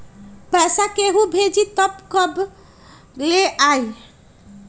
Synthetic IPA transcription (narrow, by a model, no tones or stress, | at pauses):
pɛsakeɦũbʱed͡ʒit̪əpkəb | leʔaj